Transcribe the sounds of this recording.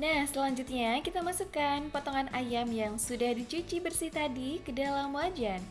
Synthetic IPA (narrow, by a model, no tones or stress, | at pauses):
nahsəlaɲd͡ʒut̪̚ɲakit̪amasukanpɔt̪ɔŋanʔajamjaŋsudahdit͡ʃut͡ʃibərsiht̪adikədalamwad͡ʒan